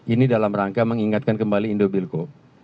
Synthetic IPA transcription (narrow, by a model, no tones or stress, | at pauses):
ʔinidalamraŋkaməŋiŋat̪̚kankəmbaliːndobilko